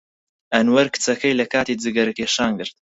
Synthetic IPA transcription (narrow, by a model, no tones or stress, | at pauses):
ʔɐnwɐɾkɨ̥t͡sɐkɐjlɐkaːt̪iːd͡zɨɡɐɾɨkeːʃaːnɡɨɾt̪̚